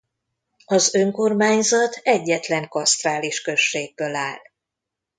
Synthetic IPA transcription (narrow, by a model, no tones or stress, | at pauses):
ɒzø̞ŋko̞rmaːɲzɒt̪ʰɛɟːɛt̪lɛŋkɒst̪raːliʃkø̞ʃːeːɡ̚bølaːl